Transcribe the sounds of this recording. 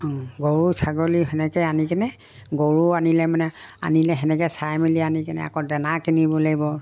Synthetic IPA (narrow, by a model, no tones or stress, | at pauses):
ɔɡoɹusaɡoliɦɛnɛkɛanikɛnɛ | ɡoɹuanilɛmanɛa̰nilɛɦɛnɛkɛsajmilianikɛnɛ̰a̰kɔdɛnakinibɔlaɡibɔ